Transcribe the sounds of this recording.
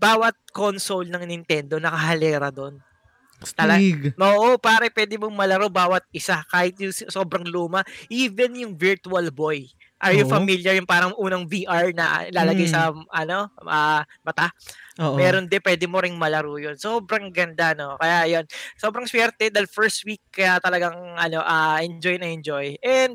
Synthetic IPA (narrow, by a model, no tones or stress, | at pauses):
baːwɐt̪̚konsolnɐŋnɪnt̪ɛnd̪o̞nɐkɐhɐlɛːɾɐd̪o̞n | t̪ɐlɐɡoːʔopaːɾɐpwɛːd̪ɪmoŋmɐlɐɾobaːwɐt̪̚ɪsakaːhɪt̪̚jʊŋsso̞ːbɾɐŋluːmɐʔiːbɛnjʊŋvɪɹt̪uɐlbo̞j | ʔɐjʊfɐmiljɐɹjʊŋpaːɾɐŋʔuːnɐŋviʔaɹnɐ̰ɪlaːlɐɡajsɐʔɐno̞ʔɐ | mɐt̪amɛːɾond̪ɛpwɛːd̪ɪmoɾɪŋmɐlɐɾojonso̞ːbɾɐŋɡɐnd̪ano̞kɐjaʔɐjo̞nso̞ːbɾɐŋswɛɾt̪ɛd̪ɐlfɛɹst̪̚wikːɐjjat̪ɐlɐɡɐŋʔɐno̞ʔɐʔɛnd͡ʒojnɐɛnd͡ʒojʔɛnd̪̚